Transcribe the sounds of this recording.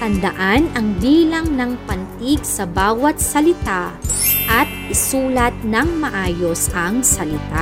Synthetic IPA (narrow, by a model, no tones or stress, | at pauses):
t̪ɐnd̪ɐʔanɐŋbiːlɐŋnɐŋpɐnt̪iɡsɐbaːwɐt̪̚sɐlɪt̪aʔɐt̪̚ʔɪsuːlɐt̪̚nɐŋmɐʔaːjo̞sʔɐŋsɐlɪt̪a